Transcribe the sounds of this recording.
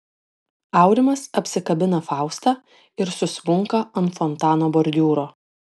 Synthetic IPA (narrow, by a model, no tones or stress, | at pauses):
ɑˑʊɾʲɪmɐsɐpʲsʲɪkɐbʲɪnɐfɑˑʊst̪ɑː | ɪɾsʊsʋʊŋkɐɐnfɔnt̪ɑːnoːbɔɾʲd̪ʲuːɾoː